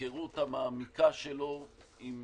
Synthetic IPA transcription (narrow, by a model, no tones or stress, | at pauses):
eʁut̪hamaːmikaʃelo̞im